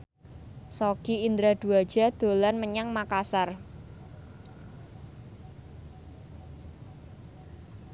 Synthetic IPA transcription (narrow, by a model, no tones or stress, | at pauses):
sokiind̪ɾad̪̥uad̥ʒ̥a̤d̪̥o̤lanməɲaŋmakasar